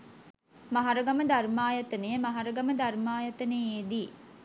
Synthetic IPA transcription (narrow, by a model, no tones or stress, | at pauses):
mɐɦaɾəɡɐməd̪ɐrmaːjɐt̪ɐnejəmɐɦɐɾɐɡɐməd̪ɐrmaːjɐt̪ɐneeːd̪iː